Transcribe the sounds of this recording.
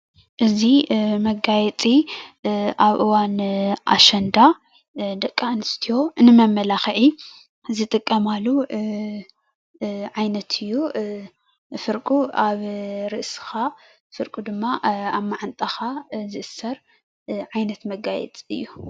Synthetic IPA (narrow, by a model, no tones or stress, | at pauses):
ʔɨzimɐɡajɛt͡sʼi | ʔaβʔɨwanʔa̰ʃɐnd̪a | d̪ɐkʼːanɨst̪ʰijo̞ɨnɨmɐmːɐlaxʕi | zɨt̪ʼɨkʼːɐmalu | ʕajnɐt̪ʰɨjːu | fɨɾkʼuaβɾɨʔsɨ̥xa | fɨɾkʼud̪ɨmːaaβmaʕant̪ʼɐxazɨʔɨsɐɾ | ʕajnɐt̪mɐɡajɛ̰t͡sʼiɨ̰jːu